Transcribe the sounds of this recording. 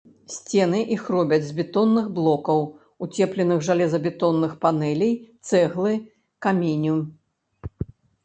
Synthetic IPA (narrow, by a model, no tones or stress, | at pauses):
sʲt͡sʲɛnɨʔixrɔbʲɐd͡zʲzbʲɛt̪ɔnːɨɣblˠɔkɐw | ut͡sʲɛplʲɛnɨɣʐalʲɛzɐbʲɛt̪ɔnːɨxpanɛlʲijt̪sɛɣlˠɨ | kamʲinʲu